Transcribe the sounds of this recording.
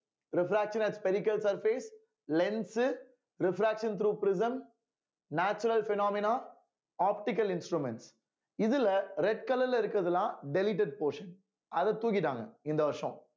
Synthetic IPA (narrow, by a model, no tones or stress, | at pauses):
ɾɪfɾaːkʂɐ̃nɐʈspɛɾɪkɐlsɐɾfeːs | lɛns | ɾɪfɾaːkʂɐnt̪̬ɾuːpɾɪzɐm | naːt͡ʃɐɾɐlfɪnaːmɪnaː | aːpʈɪk̬ɐlɪnsʈɾumɛɳʈs | ɪðɪlɐɾɛʈ̚kɐlɐlɐɪɾɯkːɯɾɐðɐlãːɖɛlɪʈ̬ɛɖ̚poːɾʂɐn | ɐðɐt̪uːɣɪʈãːŋɡɐ̰ɪnd̪ɐɐʂɔ̰̃